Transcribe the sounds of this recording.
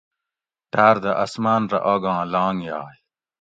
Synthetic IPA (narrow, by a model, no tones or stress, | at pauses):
ʈaːɾd̪ɐʔɐsmaːnɾɐ̰ʔoːɡãːlãːŋja̰ːj